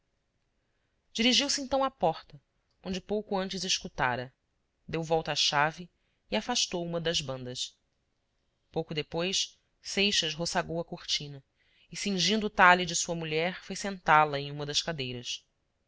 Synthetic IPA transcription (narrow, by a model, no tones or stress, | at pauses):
d͡ʒiɾiʒiwsɪẽnt̪ɐ̃w̃apɔχt̪ɐ | õnd͡ʒɪpowkʊɐ̃nt͡ʃɪzɪʃkut̪a̰ɾɐ | d̪ewvɔwt̪ɐaʃavɪː | afaʃt̪owũmɐd̪ɐzbɐ̃nd̪ɐs | powkʊd̪epojs | sejʃɐsɦosaɡowɐkuχt͡ʃĩnɐ | ɪsĩŋʒĩnd̪ʊːt̪alɪd͡ʒɪsuɐmuʎɛɾfojsẽnt̪alɐẽj̃ũmɐd̪ɐʃkad̪ejɾɐs